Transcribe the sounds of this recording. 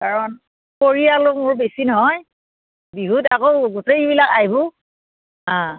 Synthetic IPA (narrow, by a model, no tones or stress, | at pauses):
kaɹɔn | koɹijalomʊɹbesinɔɦɔj | biɦutakowɡutejbilakaɦibʊ | ã